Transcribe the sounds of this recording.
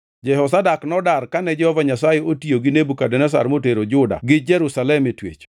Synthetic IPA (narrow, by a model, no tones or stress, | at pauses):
d͡ʒɛɦɔs̬adaknɔdarkanɛd͡ʒɛhɔvaɲasajeotioɡɪnebukadɛnɛs̬a̰ɾmoteɾod͡ʒʊda̰ɡɪd͡ʒɛɾusalɛmetwḛt͡ʃ